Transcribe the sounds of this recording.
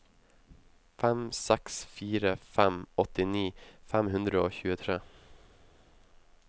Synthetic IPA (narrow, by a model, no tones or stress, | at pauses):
fɛmsɛksfiːɾəfæmɔt̪ɪniːfæmhʉnd̪ɾəoːçʉːət̪ʰɾeː